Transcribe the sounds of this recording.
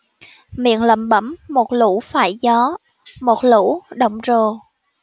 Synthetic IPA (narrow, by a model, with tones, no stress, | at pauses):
mḭ˧˨ənlə̰˧˩mɓə˧˩mːo˨˩t̚lṵ˧˥faː˧˩jzɔ˨˦ | mo˨˩t̚lṵ˧˥ɗə̰˧˨wŋ͡mzo˨˩